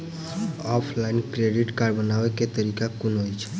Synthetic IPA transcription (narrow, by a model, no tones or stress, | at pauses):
ɔpʰlainkɾeɖiʈkaɾbənaweket̪əɾikakunɦojt͡ʃʰɛ̥